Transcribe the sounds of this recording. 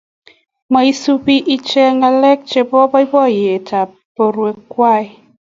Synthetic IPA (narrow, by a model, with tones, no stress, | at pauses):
mɔ˨i˦su˦pi˦ʔi˦t͡ʃɛ˦ŋɡa˧lɛ˦k̚t͡ʃe˨bɔ˦bɔ˦i˦bɔ˦˨je˨tʰa˨ | po˨ɾwe˨kwa˦˨j